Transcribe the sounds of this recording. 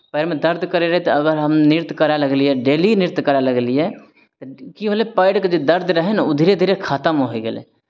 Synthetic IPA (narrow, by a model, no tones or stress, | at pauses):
pəɪɾmed̪əɾd̪ʱkəɾeɾəɦet̪eɐɡəɾɦəmnɪɾt̪kəɾaləɡliɦɛɖeːlinɪɾt̪kəɾaləɡliɛ | t̪okibəlepaːɪʈked͡ʒod̪ɐɾd̪ʱɾəɦenaud̪ʱiːɾed̪ʱiɾekʰat̪əmɦoeɡelḛ